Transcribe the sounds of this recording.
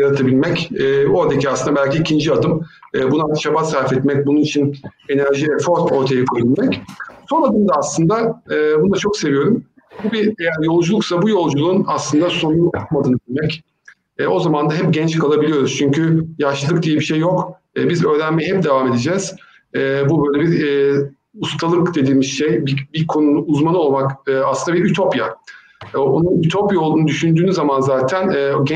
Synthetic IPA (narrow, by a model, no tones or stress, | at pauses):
jaɾat̪ʰabilʲmɛcːoad̪eciaslɯnd̪abælʲciːcʰind͡ʒiad̪ɯm | ɯːbunaʃabasaɾfɛt̪mɛc̚bununit͡ʃʰin | e̞næɾʒivɛfo̞ɾo̞ɾt̪ʰajakʰojilʲmɛcso̞nad̪ɯmd̪aːslˠɯnd̪aːbund̪at͡ʃʰo̞kse̞vijo̞ɾum | bubiejæɾjo̞lˠd͡ʒulˠuksabujo̞lˠd͡ʒulˠuːnaslˠɯnd̪aso̞nunʰmad̪ɯnɯbilʲmɛc | ɛːo̞zamand̪aɦɛp̚ɟɛnt͡ʃkʰalˠabilʲijo̞ɾuz̥t͡ʃʰyɲcʰyjaʃɯlˠɯkd̪ijɛbiʃejːo̞kː | bizø̞ːɾænmɛɦɛp̚d̪e̞vaːme̞d̪ed͡ʒɛːz̥ | ɛːbubø̞jlʲebiɾː | ust̪ʰalˠɯkd̪e̞d̪iːmiʃʃejbibikʰo̞nunuːzmanɯo̞lˠmakɯːaslˠɯnd̪abiɾyt̪ʰo̞pja̰ | o̞̰nuyt̪ʰo̞pjo̞lˠd̪unud̪yʃynd̪yːnyzamanzaːt̪ʰænɛːɟɛ